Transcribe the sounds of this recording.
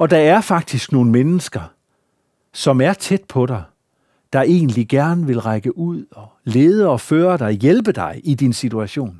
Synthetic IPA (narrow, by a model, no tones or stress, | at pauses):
ɒ̽d̥ɑ̈æɐfɑ̈ɡ̥̚d̥isɡ̥no̝ːn̩menəsɡ̥ɐ | sɒ̽mæɐt͡sʰed̥̚pʰɒ̽ɾɑ̈ɪ | d̥ɑ̈ʔe̝̰ːnliɡ̥æɐnəʋe̝lʁɑɪɡ̥əʔuð̞̰ˠɒ̽le̝ːð̞ˠəɒ̽føːɐɾ̥ɑ̈ɪjelb̥əd̥ɑ̈ɪʔid̥insit͡sʰuæɕo̝̰ːn